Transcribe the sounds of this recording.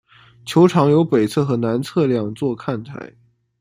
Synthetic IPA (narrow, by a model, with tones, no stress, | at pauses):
t͡ɕʰjo˧˥ʊʈ͡ʂʰɑ˧˥ŋjo˧˥ʊpe˨˩ɪt͡sʰɤ˥˩xɤ˧˥na˧˥nt͡sʰɤ˥˧ljɑ˥˧ŋt͡swɔ˥˧kʰa˥˩nt̪ʰa̰˧˥ɪ